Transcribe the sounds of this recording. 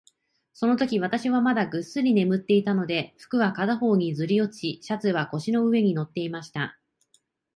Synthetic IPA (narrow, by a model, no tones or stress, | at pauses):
so̞no̞t̪o̞kʲiβat̪aɕiβamad̪aɡɯ̟sɨɾʲine̞mɯ̟t̪ːe̞it̪ano̞d̪e̞ɸɯ̟̥kɯ̟βakad̪aɦo̞ːɲ̟izɨɾʲio̞t͡ɕiɕat͡sɨβako̞ɕino̞ɯ̟βe̞ɲ̟ino̞t̪ːe̞imaɕi̥t̪a